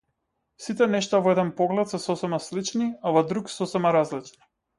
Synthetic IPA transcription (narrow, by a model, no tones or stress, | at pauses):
sit̪ɛnɛʃt̪avɔɛd̪ɛnpɔɡlɛt̪sɛsɔsɛmaslit͡ʃniavɔd̪ɾuksɔsɛmaɾazlit͡ʃni̥